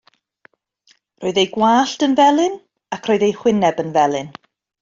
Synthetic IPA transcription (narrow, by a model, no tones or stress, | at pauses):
roːɨðejɡwaːɬtənvɛlˠɪn | akʰr̥ɔːɨðejhwɪnɛbənvɛlˠɨn